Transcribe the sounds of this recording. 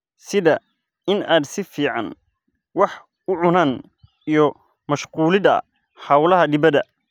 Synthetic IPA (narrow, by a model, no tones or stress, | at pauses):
sɪðɐ | ɪnaːd̪sɪfiːʕɑn | wɑħ | ʊʕʊnaːn | ijɔ | mɐʃquːlɪðɐ̰ | ħɑwlɐɦɐɖɪβɐðɐ